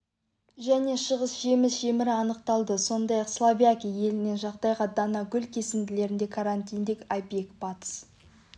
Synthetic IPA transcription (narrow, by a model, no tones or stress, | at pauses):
ʒæne̞ʃəʁəsʒe̞mɪsʒ̥e̞mɪɾɪɑnəqt̪ɑlˠd̪əso̞nd̪ɑjɑqslˠavijakʲije̞lɪne̞nʒɑqd̪ɑjʁɑd̪ɑnɑɡʲʏlkʲʰe̞sɪmd̪ɪle̞ɾɪnd̪e̞kʰaɾanʲt̪ijnd̪ekajpekpɑt̪s